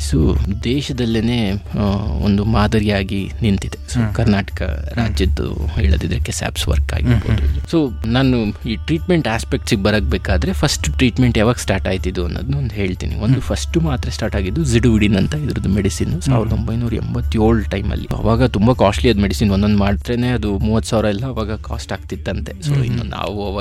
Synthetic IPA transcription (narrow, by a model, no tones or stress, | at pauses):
so̰ːd̪ɛːʃɐd̪ɐlːineː | o̰nd̪umaːd̪ɐɾijaːɡinint̪id̪e̞soːkɐɾnaːʈɐ̥kɐ̰ɾaːd͡ʒjɐd̪ṵɦɛːɭɐd̪id̪ɾɐkːesa̰ːpsʋɐ̰ɾka̰ːɡiiɾboːd̪ud̪usoːnaːnuiːʈɾiːʈmeɳʈaːspe̞k̚ʈsiɡebɐɾɐk̚beːkaːd̪ɐɾe̞pʰɐsʈʈɾiːʈmeɳʈjaːʋaːɡsʈaːɾʈaːɡt̪id̪ːuɐnːo̰ːd̪unuond̪uɦe̞ːɭt̪ḭːnḭo̞nd̪upʰɐsʈumaːt̪ɾɐsʈaːɾʈaːɡid̪ːuziɖuʋiɽinɐnt̪ɐid̪ɐɾɐd̪umeɽisiːnusa̰ːʋiɾɐd̪o̞mbɐjnuːɾɐɛ̰mbɐt̪ːjo̞ːɭʈɐjmɐ̰lːḭɐ̰ʋaːɡɐt̪umbɐkaːsʈɐliɐd̪umeɽisiːnʋond̪o̞nd̪umaːɽt̪ɾeneːɐd̪umuːʋɐt̪ːsaːʋɾɐɛlːɐːʋaːɡɐka̰ːsʈaːɡ̚t̪id̪ːɐnt̪e̞soːḭnːṵna̰ːʋuɐʋaː